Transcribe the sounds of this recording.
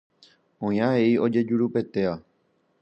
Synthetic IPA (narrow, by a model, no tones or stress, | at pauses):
õj̃ãʋe̞io̞d͡ʒe̞d͡ʒuɾupe̞t̪e̞ʋa